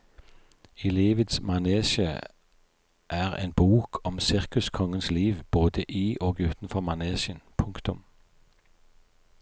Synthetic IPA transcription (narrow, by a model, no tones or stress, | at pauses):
ɪliːʋət̪smɑneːʃə | ʔæːʁḛːnbuːkʰɔmsɪʁkʉskʰɔŋənsliːʋb̥oːd̪əʔiːʔoːɡʉːt̪n̩fɔʁmɑneːsɪənpʰʊŋkt̪ʊm